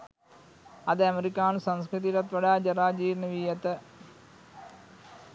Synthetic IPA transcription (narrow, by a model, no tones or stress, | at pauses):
ɐðɨɐmeɾikʲːaːnsɐnskɾit̪̬iɾɐt̪ʋɐɽaːd͡ʑɐraːd͡ʑiːɾnɐʋiːjɐt̪ːɨ